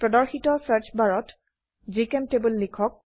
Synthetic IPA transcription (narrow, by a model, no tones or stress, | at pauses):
pɹɔdɔɹxitɔsaɹt͡ʃʰbaɹɔt | zikɛmtebulːikʰɔk̚